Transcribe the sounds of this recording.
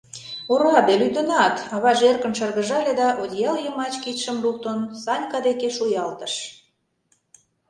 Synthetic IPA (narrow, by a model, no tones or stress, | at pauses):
uɾɑd̪elyt̪ə̆nɑt̪ɑβɑʒerkə̆nʃərɣə̆ʒɑlʲed̪ɑʔod̪ʲjɑljəmɑt͡ɕkit̪ʃəmluk̚t̪onsɑnʲkɑd̪ekeʃujɑlt̪ə̥̆ʃ